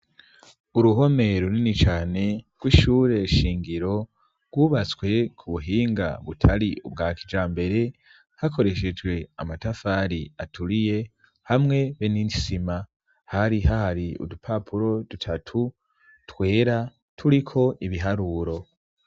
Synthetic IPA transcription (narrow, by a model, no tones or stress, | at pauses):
uɾuɦo̞me̞ɾoninit͡ʃaːne̞ɡ̥wiːʃuːɾe̞ʃiːŋɡiɾo̞ | ɡ̥wuːβat͡swe̞kʰuβuɦiːŋɡa̰βutʰaɾiṵbɡaːkid͡ʒaːmbe̞ɾe̞ | hako̞ɾe̞ʃe̞d͡ʒwe̞amatafaɾiatʰuɾije̞ | hamŋe̞βenisima | haɾiɦahaɾiṵdupʰapʰuɾo̞dutʰatʰu | twe̞ːɾa | tʰuɾikʰo̞ʔiβiɦaɾuɾo̞